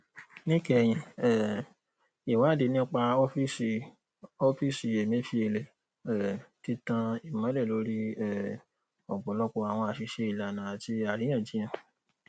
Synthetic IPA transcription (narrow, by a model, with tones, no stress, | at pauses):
nĩ˦kɛ˦˨j̃ĩ˨ɛ˦˨ | i˨wã˨˦˨di˨˧˦nĩ˦k͡pa˧ɔ˦fi˦i˧ | ɔ˧fi˦si˨˧e˨mĩ˦fi˧e˧˨le˨ | ɛ˨ti˧tã˧i˨mã˨˦lɛ˦˨lo˨˦ɾi˦ɛ˨ | ɔ˨ɡ͡bɔ˨lɔ˦kɔ˧a˨w̃ɔ̃˧a˨ʃi˧ʃe˧i˨la˨nã˨a˨ti˦a˨ɾĩ˨˦ã˦˨d͡ʒĩ˦ã˦˨